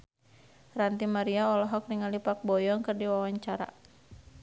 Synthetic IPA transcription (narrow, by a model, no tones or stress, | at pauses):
rant̪imaɾiaɔlɔɦɔk̚niŋalipak̚bɔjɔŋkɨrdiwawaɲt͡ʃaɾa̰